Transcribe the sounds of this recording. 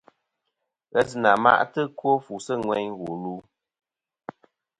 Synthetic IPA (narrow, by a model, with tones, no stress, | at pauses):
ɣɛ˦s̬ɨ˨na˨ma̰˦ʔtɨ˦kwo˦fu˨sɨ˦ŋwɛ˦ɲwo˨luː˦